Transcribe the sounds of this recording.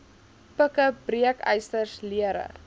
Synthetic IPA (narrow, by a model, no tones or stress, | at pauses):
pəkəbriəkəjstərsliəɾə̰